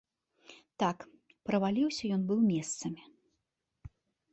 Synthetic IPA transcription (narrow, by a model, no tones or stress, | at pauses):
t̪ak | pɾɐvalʲiwsʲɐjɔnbɨwmʲɛst̪sɐmʲi